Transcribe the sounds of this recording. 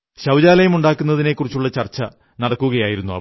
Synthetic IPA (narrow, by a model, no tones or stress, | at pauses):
ɕɐwd͡ʑaːlɐjɐmuɳɖaːkːunːɐðine̞kːurit͡ɕːuɭːɐt͡ɕɐrt͡ɕːɐ | nɐɽɐkːuɣɐjaːjiɾunːuɐ̰